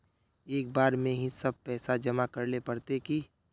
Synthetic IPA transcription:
eːk̚baːɾmẽɦĩsɐb̚pɛːsad͡ʒɐmakəɾlepɐɾt̪eki

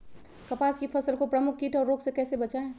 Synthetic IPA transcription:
kɐpaːskipʰɐsəlkopɾəmʊkʰːiʈʰɔːɾːoːksekɛːsebət͡ʃaẽ

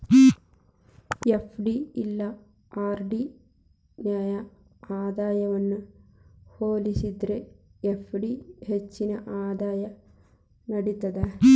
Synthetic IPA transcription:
efʰɖiilːɐ | aːrɖi | njaːjɐ | aːd̪aːjɐʋɐnːɨ | hoːlisid̪ɾeefɖihet͡ʃːinɐʔaːd̪aːjɐ | nɐɽit̪ːɐd̪ɐ

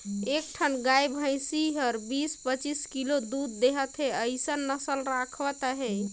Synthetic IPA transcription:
ek̚ʈʰənɡajbʱə̃j̃siɦəɾbispət͡ʃiskilod̪ud̪ːeɦət̪ɦeəɪsənːəsəlɾakʰʋət̪ɦɛ

